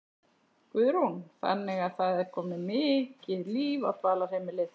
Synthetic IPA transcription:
kvʏðɾunθa̰nːɪɣaðθaðɛɾ̥kʰɔːmnɪmɪcɪðliːvaðt̪ʰvaːlaɾ̥hejmɪlɪð

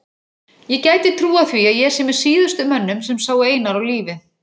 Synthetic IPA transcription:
jɛcaːjt̪ɪt̪ʰɾuːaθiajɛ̥sɛmɛsiːðʏst̪ʏmœnːʏmsɛmsaːweːjnaɾawliːvɪ

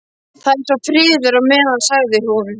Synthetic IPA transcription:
θaðɛsafɾɪːðʏɾaɣmɛːðaðsaɣðɪɾ̥ɔːvʏ

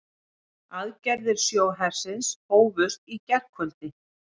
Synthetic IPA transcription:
aðcɛɾðɪɾ̥sjoːwɦɛɾ̥sɪnshoːwvʏrt̪icɛr̥khœlt̪ɪ

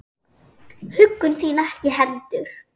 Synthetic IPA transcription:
hʏkːʏnθiːnacɪɦɛlt̪ʏɾ̥

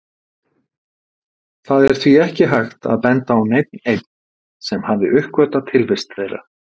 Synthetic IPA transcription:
θaðɛɾ̥θviɛhcɪɦajxt̪a̰ðpɛnt̪aːwnejt̪̚nejt̪̚n̥ | sɛmhavðɪʔʏhkvœt̪at̪ʰɪlvɪst̪θejra̰

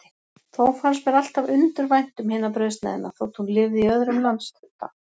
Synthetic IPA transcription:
θowfaɾsvɛɾal̥t̪avʏnt̪ʏɾvajn̥t̪ʏmhɪːnapɾœɥst̪na̰ðɪna̰θowt̪hunlɪvðɪiœðɾʏmlant̪st̪ʏt̪ːa̰

